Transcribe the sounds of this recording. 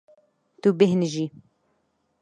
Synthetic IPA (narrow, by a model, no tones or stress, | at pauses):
t̪ubɪɦnʒi